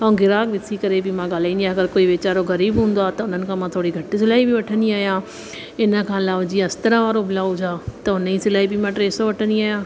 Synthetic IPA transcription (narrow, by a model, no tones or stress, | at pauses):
aũɡɪɾaːkbɪsikəɾebʱimãɡaːlaĩnd̪iaɐɡəɾkoːiʋeːt͡ʃaːɾoɣɐɾiːbɦũːnd̪aːt̪ɐʊn̤ənɪ̆kʰãmãt̪ʰoːɽiɡʱɐʈisɪlaːibʱiʋɐʈʰəniaːjãː | ɪnəkʰãːlaːʋd͡ʒiːãst̪əɾãʋaːɾobɪlaːʊd͡ʒaːt̪ɐʊnĩsɪlaːibʱimãːʈɾeːsoʋɐʈʰəniaːjãː